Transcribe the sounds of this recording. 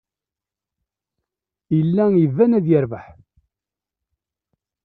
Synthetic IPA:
jəlːæjəvːænæðjəɾvaħ

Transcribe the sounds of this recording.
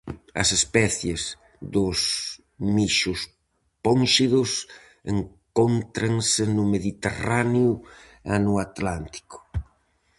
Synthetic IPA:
ɐ̰sespɛθjez | ðʊs | miʃʊs | ponʃiðʊs | ḛŋkont̪ɾaŋsenʊmeðit̪ḛranjʊ | anuat̪lant̪i̥kʊ̥

